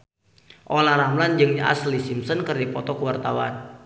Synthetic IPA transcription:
ʔolaɾamland͡ʒɨŋa̰slisimsɔnkərdipɔt̪ɔkəwart̪awa̰n

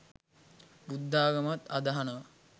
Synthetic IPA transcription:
bud̪ːaːɡɐmat̪ɐd̪ɐɦanəʋɐ

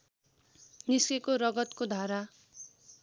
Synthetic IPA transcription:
niskekoɾʌɡʌt̪kod̪ʱaɾa

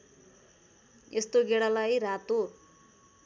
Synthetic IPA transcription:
est̪oɡeɽalajrat̪o

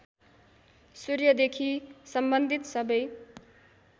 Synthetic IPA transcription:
suɾjʌd̪ekʰisʌmbʌnd̪ʱit̪sʌbʌj

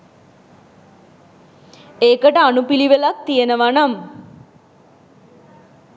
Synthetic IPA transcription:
eːkəʈəanupiliʋəlak̚t̪ijenəʋanam

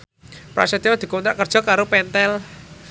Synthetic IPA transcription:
pɾa̰sɛt̪iɔd̪̥i̤kɔnt̪ɾaʔkərd̥ʒ̥ɔ̤kaɾopɛnt̪ɛl

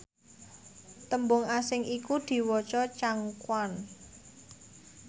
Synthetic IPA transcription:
t̪əmbʊŋasɪŋikud̪̥i̤wɔt͡ʃɔt͡ʃaŋkwan

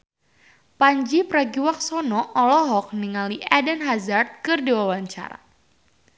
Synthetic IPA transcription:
paɲd͡ʒipɾaɡiwak̚sɔnɔʔɔlɔɦɔk̚niŋaliʔadɛnɦazart̪̚kɨrdiwawaɲt͡ʃa̰ɾa̰

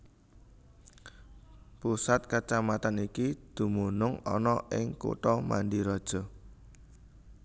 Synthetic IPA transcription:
pusat̪̚kat͡ʃamat̪anikid̪̥ṳmunʊŋɔ̰nɔʔɪŋkṵʈɔma̰nɖiɾɔd̥ʒ̥ɔ̤

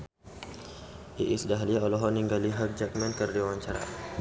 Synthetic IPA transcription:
ʔiʔisdaɦaliaɔlɔɦɔniŋɡaliɦak̚d͡ʒak̚mankərdiawaɲt͡ʃaɾa̰

